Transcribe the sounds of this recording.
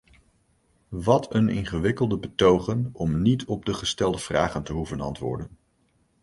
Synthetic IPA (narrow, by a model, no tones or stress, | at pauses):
ʋɑtʰənɪ̰nχəʋɪkəlˠdəbətowχənɔmnitʰɔb̚dəχəstɛlˠdəv̥raːχəntəɦuvənɑ̰ntʋʊ̰ːɹdən